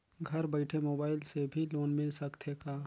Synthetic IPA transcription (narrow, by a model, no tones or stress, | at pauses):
ɡʱɐɾbəɪʈʰemoːbaːɪlsebʱiloːnmɪlsəkt̪ʰekaː